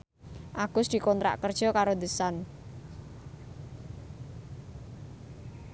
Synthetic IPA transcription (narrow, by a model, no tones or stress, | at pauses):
ʔaɡ̥ʊsd̪̥i̤kɔnt̪ɾa̰ʔkərd̥ʒ̥ɔkaɾod̪əsan